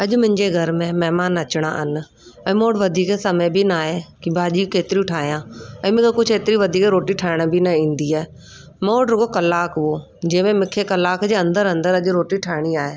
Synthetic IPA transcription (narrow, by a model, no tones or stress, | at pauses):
ɐʄmʊ̃ɦɪ̃ɲd͡ʑeɡʱɐɾmẽmɛɦmaːnɐt͡ɕɽ̃a̰ʔnɪ̆ | ɛ̃ːmoːɽʋɐd̪ʱiːkesɐmebʱinaːɦekibʱaːʄiːkeːt̪ɪɾiʊʈʰaːɦijãːɛ̃ːmɪ̃kakʊd͡ʑʱeːt̪ɪɾiʋɐd̪ʱiːkɾoːʈiʈʰaːɪɽ̃bʱinɐĩːnd̪iaːe | moːɽɾʊɡokɐlːaːkɦoː | d͡ʑɐ̃ːmẽmɪ̃kʰekɐlaːkd͡ʑeːɐ̃nd̪əɾɐ̃nd̪əɾɐʄɾoːʈiʈʰaːɪɽ̃iaːɦeː